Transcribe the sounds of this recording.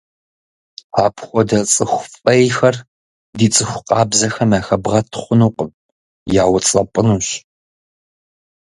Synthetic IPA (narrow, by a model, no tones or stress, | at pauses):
aːpʰxʷɔdɐt͡sʼɨxʷʊfʼɐjxɐr | diːt͡sʼɨxʷʊqʼɑːbzɐxɐmaːxɐbʁɐtʰχʷʊnuːqʷʼəm | jaːwt͡sʼɐpʼɨnuːɕ